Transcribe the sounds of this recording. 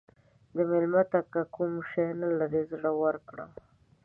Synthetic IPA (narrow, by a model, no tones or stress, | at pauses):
d̪əmɪlmat̪akakumʃenalaɾezɽawəɾkɽa̰